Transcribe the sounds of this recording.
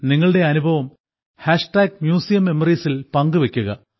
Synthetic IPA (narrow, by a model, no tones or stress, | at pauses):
niŋːɐɭɨɽe̞ɐnubʱɐʋɐm | haːʂʈaːɡ̚mjuːsijɐmːe̞mɐriːsilpɐŋɡɨʋe̞kʲːuɣɐ